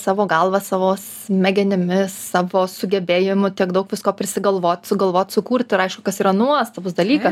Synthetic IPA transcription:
sɑːʋoːɡɐlˠʋɐssɑːʋoːs | mʲɛɡʲɛnʲɪmʲɪssɑːʋoːsʊɡʲɛbʲeːjɪmʊt̪ʲiɛkd̪ɐʊkʋʲɪskoːpʲɾʲɪsʲɪɡɐlˠʋoːt̪ʲsʊɡɐlˠʋoːt̪ʲsʊkuːɾʲt̪ʲɪɾɐɪʃkʊkɐsiːɾɐnuɔst̪ɑʋʊs̬d̪ɐlʲiːkɐ

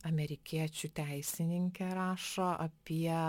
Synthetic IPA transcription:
ɐmʲɛɾʲɪkʲiɛt͡ʃʲut̪ʲɛɪsʲɪnʲɪŋʲkʲɛɾɑːʃoːʔɐpʲiɛ

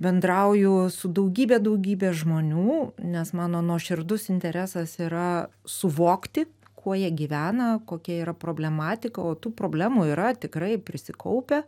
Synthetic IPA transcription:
bʲɛnd̪ɾɐʊjʊsʊd̪ɐʊɡʲiːbʲeːd̪ɐʊɡʲiːbʲeːʒmoːnʲuːnʲɛsmɑːnoːnuɔʃʲɪɾd̪ʊsɪnʲt̪ʲɛɾʲæːsɐsiːɾɐsʊʋoːkt̪ʲɪ | kʰuɔjiɛɡʲiʋʲæːnɐkoːkʲɛiːɾɐpɾoːbʲlʲɛmɑːt̪ʲɪkɐoːt̪uːpɾoːbʲlʲæːmuiːɾɐt̪ʲɪkɾɐɪpʲɾʲɪsʲɪkɐʊpʲɛ

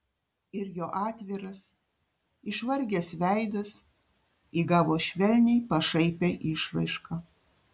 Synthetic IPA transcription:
ɪɾjoːʔɑːt̪ʲʋʲɪɾɐs | ɪʃʋɐɾʲɡʲeːsʋʲæˑɪd̪ɐs | iːɡɑːʋoːʃʲʋʲɛlʲnʲɛɪpɐʃɐɪpʲeʔiːʃʋɐɪʃkɐ

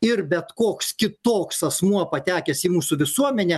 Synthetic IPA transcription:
ɪrbʲɛt̪koːkskʲɪt̪oːksɐsmuɔpɐt̪ʲæːkʲɛsʲiːmuːsʊʋʲɪsuɔmʲɛnʲɛ

